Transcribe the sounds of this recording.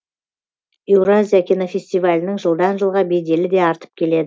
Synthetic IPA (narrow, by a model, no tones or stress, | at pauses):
e̞wɾazʲijakʲʰinofʲe̞sʲt̪ijvalʲɪnəŋʒəlˠd̪ɑnʒəlˠʁɑbe̞jd̪e̞lɪd̪e̞ɑɾt̪ə̥p̚kʲʰe̞le̞d̪ɪ